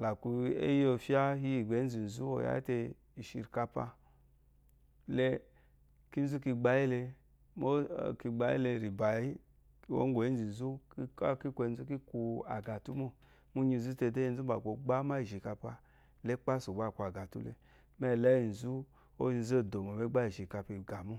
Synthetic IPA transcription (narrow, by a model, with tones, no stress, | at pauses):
la˨ku˧ḛ˦ji˦o˧fi˦a˦hi˦i˨ɡ͡be˨˦n̩˦zi˨n̩˨zu˦o˨ja̰˦te˧ | i˨ʃḭ˧˨ɾka˧pa̰˧ | le˧ | ki˦n̩˦zu˦ki˧ɡ͡ba˧ji˦le˧ | mo˦˨ki˧ɡ͡ba˦ḭ˦le˧˨ɾi˨ba˨i˦˨ | wo̰˦ŋ˦ɡʷo˨i˦n˦zi˨n̩˨zu˦ka˦ki˦kʷo˧˨˦zu˦ki˦ku˧a̰˨ɡa˨tu˦mo˦ | mu˦ɲi˧n̩˨zu˦te˧˨de˦i˧n̩˦zu˦ba˨ko˨ɡ͡ba˦ma˦i˨ʒi˨ka˧pa˧ | le˦k͡pa˦su˨ɡ͡ba˦˨ku˧˨a˨ɡa˨tṵ˦lḛ˧ | me˦˨le˦i˨n̩˨zu˦ | o̰˦˧n˦zo˦˨do˨mo˨me˦ɡ͡ba˦i˨ʒi˨ka˧pi˧ɡa˨mu˦